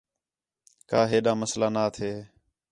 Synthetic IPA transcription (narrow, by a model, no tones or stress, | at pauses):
kaːɦeːɗaːməslaːnaːt̪ʰeː